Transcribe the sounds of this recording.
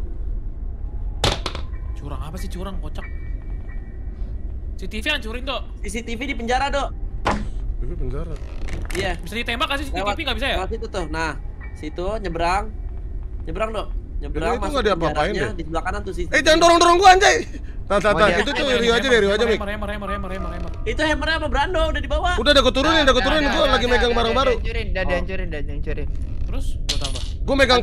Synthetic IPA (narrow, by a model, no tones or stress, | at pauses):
t͡ʃuɾaŋapasɪt͡ʃuɾaŋkot͡ʃak̚ | sit̪ifiaɲt͡ʃuɾɪŋt̪osis̬it̪ifidipəɲd͡ʒaɾado | t̪ifipəɲd͡ʒaɾaijabisadit̪embakas̬isiiwifiŋabisajaawas̬it̪ut̪ʊhnah | sit̪uɲəbɾaŋ | ɲəbɾaŋdɔʔɲəbɾaaituŋɡadiapaɾaɪndɛdisluakanant̪usiɛd͡ʒaŋandoɾɔŋdoɾɔŋɡuaɲd͡ʒai | t̪at̪at̪ait̪ut̪uɾiuad͡ʒadaɾiuad͡ʒamemɾeməɾeməɾemaɾemait̪uheməɾeapabəɾandoudadibawaudahdakət̪uɾʊnɪndakət̪uɾunɪnɡualaɡimeɡaŋbaɾaŋbaɾunadiaɲd͡ʒuɾɪndadaɲt͡ʃuɾɪnt̪əɾʊsdut̪abaɡuameɡaŋ